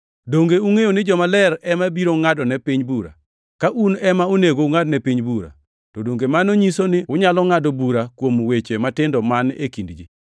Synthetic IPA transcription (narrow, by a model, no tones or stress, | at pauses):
doŋɡeuŋejonɪd͡ʒɔmalɛɾɛmabiɾoŋadɔnɛpiɲbuɾa̰ | kaʔunɛmaoneɡoŋadnɛpiɲbuɾa̰ | tɔdoŋɡemanoɲisonɪʊɲalɔŋadɔbuɾakwomwet͡ʃematɪndɔmanḛkindd͡ʒi